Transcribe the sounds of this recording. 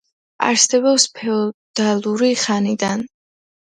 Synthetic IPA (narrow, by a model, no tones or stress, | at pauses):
a̰ɾsɛbɔpspʰɛɔd̪̥alˠuɾiχanid̪an